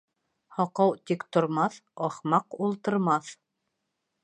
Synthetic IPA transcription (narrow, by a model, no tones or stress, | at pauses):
hɑqɑwt̪ikt̪ŏɾmɑθɑχmɑqulˠt̪ɤ̆ɾmɑθ